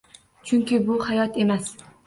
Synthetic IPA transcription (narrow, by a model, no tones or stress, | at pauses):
t͡ʃʰʊŋkʲɪbʊhajɒt̪ʰe̞mas